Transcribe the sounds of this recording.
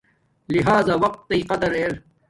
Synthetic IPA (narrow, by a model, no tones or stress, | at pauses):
liɦaːzaːwɐq̚t̪iːqɐd̪ɐɾʔeɾ